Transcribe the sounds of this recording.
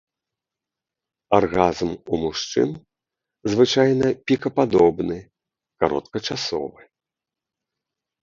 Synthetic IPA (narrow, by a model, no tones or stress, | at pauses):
arɣazmumuʂt͡ʂɨ̰n | zvɨt͡ʂajnɐpʲikɐpad̪ɔbnɨ | kaɾɔ̰t̪kɐt͡ʂasɔ̰vɨ